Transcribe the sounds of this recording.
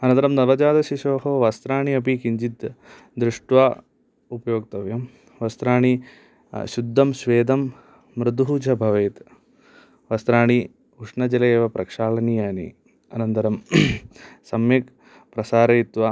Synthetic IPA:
ɐnɐnt̪ɐɾɐmnɐʋɐd͡ʒaːd̪ɐʃiʃoːɦoʋast̪ɾaːɳiɐp̬ikiɲd͡ʒit̪ | d̪ɾuʂʈʋaː | upɐjoːk̚t̪ɐʋjɐm | ʋɐst̪ɾaːɳi | ʃud̪ʱːɐmʃʋeːd̪ɐmː | ɾɪd̪ɦuːt͡ʃɐbʱɐʋeːt̪ | ʋɐst̪ɾaːɳi | uʂɳɐd͡ʒɐlɐeːʋɐpɾɐkʂaːlɐnijaːnḭ | ɐnɐnt̪ɐɾɐm | sɐmjɐk | pɾɐsaːɾɐit̪ʋa

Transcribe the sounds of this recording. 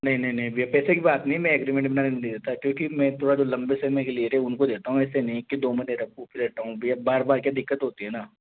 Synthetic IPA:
nɐɦĩnɐɦĩnɐɦĩbjapɛːsekibaːt̪nɐɦĩmɛ̃ɛɡɾimẽɳʈ̚bɪnaːnenid̪id̪eːt̪aɦɛkjõːkimɛ̃ːt̪ʰoːɽad͡ʒoːlɐ̃mbesemẽkelieɾeʊnkod̪eːt̪aɦũɛːsenɐɦĩkid̪oːmɪneːɾɐp̚uːpiɾɛːʈ̪aɦũbjabaːɾbaːɾkjaːd̪ɪkːət̪ɦoːt̪iɦɛːnaː

